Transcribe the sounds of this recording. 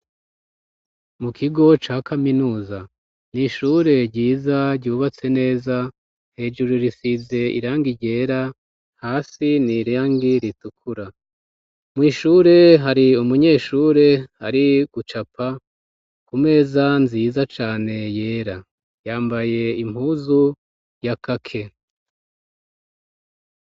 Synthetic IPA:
mukʰiɡo̞t͡ʃaːkʰaminuːza | niʃuɾe̞ɟiːzaɾɟuːβat͡se̞ne̞ːza | he̞ːd͡ʒuɾuɾisize̞ḭɾaːŋɡiɟe̞ːɾa | haːsiniɾaːŋɡiɾitukʰuɾa | mŋiːʃuɾe̞ɦaɾiumuɲe̞ːʃuːɾe̞a̰ɾiɡ̥ut͡ʃapʰa | kume̞ːzanziːzat͡ʃaːne̞je̞ːɾa | jaːmbaje̞im̥huːzu | jakakʰe̞

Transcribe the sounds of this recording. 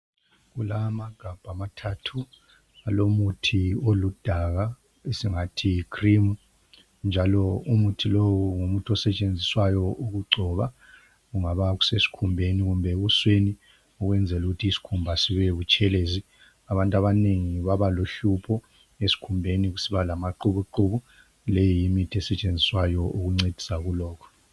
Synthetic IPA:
ɣulamaɡ̥ʱab̥ʱamatʰatʰu | alomutʰiolud̥ʱaɣa | esiŋatʰikʰrimu | nd͡ʒʱalɔumutʰilowuŋumutʰɔsɛt͡ʃʼend͡zʱiswajɔʔuɣuɡ͡ǀʱɔβa | ɣuŋaβaɣu̥sesi̥kʰumbʱeniɣumbʱɛɣusweni | ɔɣwɛnd͡zʱɛluɣutʰiisi̥kʰumbʱasiβɛβut͡ʃʰʼɛleːzi | aβantʼaβaneŋiβaβaloɬupʰɔ | esi̥kʰumbʱeniɣusiβalamaǃuβuǃuβu | lɛjijimitʰɛsɛt͡ʃʼend͡zʱiswajɔʔuɣuŋ͡ǀed̥ʱi̥saɣulɔːkʰɔ̥

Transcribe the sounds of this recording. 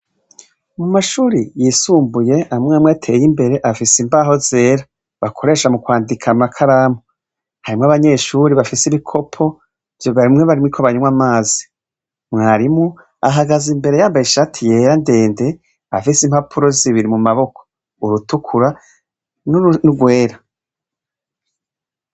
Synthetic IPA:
mumaʃuːɾijiːsuːmbuje̞amŋamweatʰe̞̰jimbe̞ɾe̞ʔafisimbaːɦo̞ze̞ːɾa | βakʰo̞ɾe̞ːʃamukwaːndikʰamakʰaɾamo | haɾimŋaβaɲe̞ʃuɾiβafisiβikʰo̞pʰo̞ | vjoβaɾimŋeβaɾimwikʰoβaɲuwamaːzi̥ | mŋaːɾimu | aɦaɡazimbe̞ɾe̞jaːmbajiʃatʰije̞ːɾande̞ːnde̞ | afisimhapʰuɾo̞ziβiɾimumaβo̞kʰo̥ | uɾutukʰuɾa | nnuɡwe̞ːɾa

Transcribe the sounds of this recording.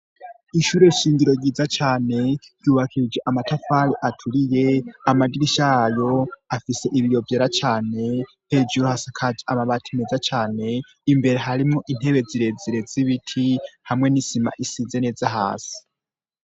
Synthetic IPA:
iʃuɾe̞iʃiːŋɡiɾo̞ɡiːzat͡ʃaːne̞ɾjuːβakʰiɾid͡ʒeʔamatafaɾiʔatʰuɾije̞amadiɾiʃajo̞afise̞ʔiβijo̞vjeɾat͡ʃaːne̞ | he̞ːd͡ʒuɾuhasakʰad͡ʒaʔamaβatʰimezat͡ʃaːne̞ | imbe̞ɾe̞ɦaɾimŋoʔin̥e̞βe̞ziɾe̞ziɾe̞ziβitʰihamŋe̞nisima̰ʔisiːze̞ne̞ːzaɦa̰ːsi̥

